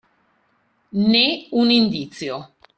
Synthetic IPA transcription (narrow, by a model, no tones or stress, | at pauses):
neunĩnd̪it͡sjo